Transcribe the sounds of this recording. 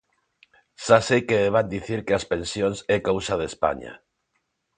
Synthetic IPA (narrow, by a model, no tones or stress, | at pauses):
ʃasejkeeβ̞and̪iθiɾkeaspẽnsjonsɛkawsaðespa̰ɲa̰